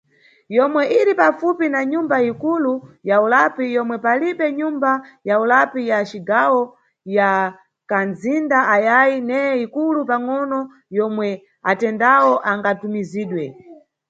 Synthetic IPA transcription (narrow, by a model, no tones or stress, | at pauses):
jɔmwɛʔiɾipafupinaɲumbaikulujaulapijɔmwɛpaliɓɛɲumbajaulapijat͡ʃiɡawɔ | ja | kanzindaajajinɛɛikulupaŋɔnɔ | jɔmwɛ | atɛndawɔʔaŋɡatumiziːɗwɛ